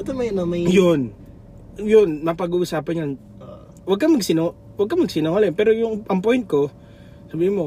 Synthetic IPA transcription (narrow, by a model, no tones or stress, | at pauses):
ɐt̪omɐjnɐmɐjon | jonmɐpɐɡuːʔʊsaːpɐnɲɐn | wɐɡ̚kɐmɐɡsɪno | wɐɡ̚kɐmɐɡsɪnoŋɐlɛnpɛːɾojʊŋʔɐmpojnt̪̚ko̞ | sɐbiːhɪmo